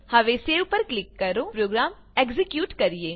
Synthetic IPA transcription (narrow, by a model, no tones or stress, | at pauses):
hɐʋeːseʊpːəɾklɪkːəɾoːpɾoːɡɾaːm | ɛːkzɪkjuːʈkəɾijeː